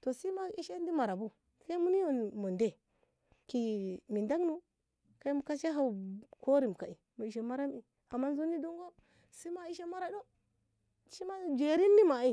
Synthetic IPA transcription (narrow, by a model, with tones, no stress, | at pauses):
to˨si˦ma˦i˦ʃe˦ndi˦ma˨ɾa˨bu˦ | ti̥˦ka˦mu˦ni˦jo˨nmo˨nde˦ | ki˨mi˨nda˦ɡnu˦ | ka˦i˦mu˨ka˦ʃa˦ɦa˦˨u˨ko˦ɾi˨m˨ka̰˨i˨mu˨i˨ʃe˨ma˦ɾa˦mi˨ | a˨mːa˦nzu˦ni˦du˦ŋɡo˦ | si˦ma˦i˦ʃe˦ma˦ɾa˦do˦ | ʃi˦ma˦d͡ʒe˨ɾi˦ndi˦ma˨i˦˨